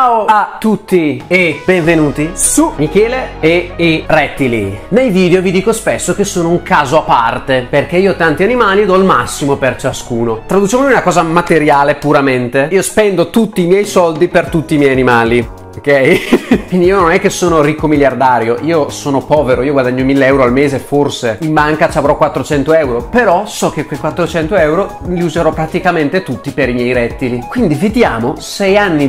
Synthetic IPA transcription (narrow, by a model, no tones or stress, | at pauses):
aːoat̪ːut̪ːiebeɱvenuːt̪iumikɛːleeerɛt̪ːilḭnejviːd̪eovid̪iːkospesːok̟esːoːnouŋkaːzoapːart̪eperk̟eiːot̪ant̪ianimaːlid̪ɔilmasːimopert͡ʃaskuːnot̪ɾad̪ut͡ʃamonjunakɔːzamat̪eɾjaːlepuɾament̪eiːospɛnd̪ot̪ut̪ːiːmjɛjsɔld̪ipert̪ut̪ːiːmjɛjanimaːli | okːɛjkwind̪iiːononɛkːesːoːnorikːomiljard̪aːɾjoʔiːosoːnopɔːveɾoiːoɡwad̪aɲːomilːeɛwɾoalmeːzeforseimbaŋkat͡ʃiavɾɔkwat̪ːɾot͡ʃɛnt̪oɛwɾopeɾɔsɔkekwekwat̪ːɾot͡ʃɛnt̪oɛwɾoliuzeɾɔpːɾat̪ikament̪et̪ut̪ːipeɾimjɛjɾɛt̪ːilikwind̪ivid̪jaːmosɛjanːi